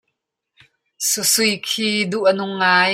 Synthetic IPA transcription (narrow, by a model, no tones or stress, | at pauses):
susujkʰiːduʔɐnʊŋːaːj